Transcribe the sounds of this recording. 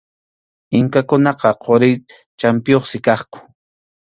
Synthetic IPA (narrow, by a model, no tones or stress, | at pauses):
ɪŋkakʊnɑqɑqʰoɾɪ | t͡ʃampɪjoχsɪkɑχkʊ̥